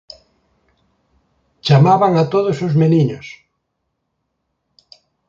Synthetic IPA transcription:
t͡ʃamaβaŋat̪oðosozmeniɲos

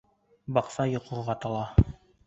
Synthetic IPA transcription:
bɑqsɑjŏqʰŏʁɑt̪ɑlˠɑ

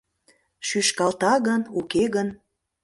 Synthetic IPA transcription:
ʃyʃkɑlt̪ɑɣənukeɣən

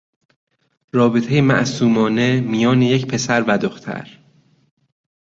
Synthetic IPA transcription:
ɾɒːbet̪ʰejemæ̰ʔsuːmɒːne̞mijɒːnejecpʰe̞sæɾvæd̪oxt̪ʰæ̰ɾ

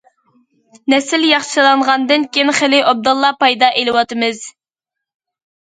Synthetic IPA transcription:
nɛsɪljɑχʃɨlˠɑɴʁɑnd̪ɨnkʲinχɪlɪʔɑb̚d̪ulˠːɑpɑjd̪ɑʔelɨwɑt̪ɨmɨz̥

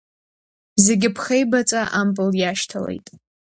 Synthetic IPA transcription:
ze̞ɡʲɪpʰχejbat͡sʼaʔampʼɨljaʃtʰale̞̰jtʼ

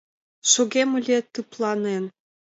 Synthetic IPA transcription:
ʃoɣemə̆lʲiet̪ːɯplɑnen

